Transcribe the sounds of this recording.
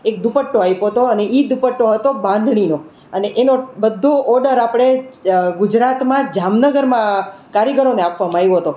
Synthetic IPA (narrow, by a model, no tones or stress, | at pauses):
ek̚d̪upəʈːoajpoɦət̪oəneʔid̪upəʈːoɦət̪obãnd̪ʱɳ̃ino | əneʔenobəd̪ʱːoʔɔɖəɾapɽ̃eɡʊd͡ʒɾat̪mãd͡ʒamnəɡəɾmãkaɾjəɡəɾoneapʰʋamãajõɦət̪o